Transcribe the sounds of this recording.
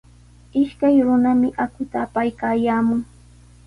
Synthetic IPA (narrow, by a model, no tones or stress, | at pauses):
ɪʃkajɾʊnamɪʔakʊt̪aːpajkaːjaːmʊŋ